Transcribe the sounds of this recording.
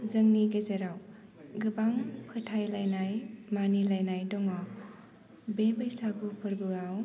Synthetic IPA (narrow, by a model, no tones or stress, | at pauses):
zɯŋniɡezeɾaw | ɡɯbaŋpʰɯtʰajlajnajmanilajnajdɔŋwaw | bebɯjsabupʰɯɾbɯaw